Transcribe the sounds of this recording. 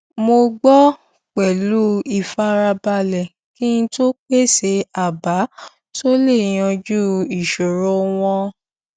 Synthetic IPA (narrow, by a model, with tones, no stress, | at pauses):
mo˧ɡ͡bɔ˦ | k͡pɛ˨lu˦i˦˨fa˦ɾa˧ba˧lɛ˨ | kĩ˦ñ̩˦to˦k͡pe˦˨se˨˦a˨ba˨˦ | to˦le˦˨j̃ɔ̃˧d͡ʒu˦i˨ʃo˨ɾɔ˦w̃ɔ̃˧